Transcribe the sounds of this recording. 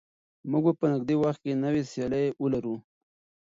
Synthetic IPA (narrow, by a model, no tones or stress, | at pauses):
muɡ̚bapənɪɡ̚d̪ewaxt̪̚kenəwesjɑləjəlaɾu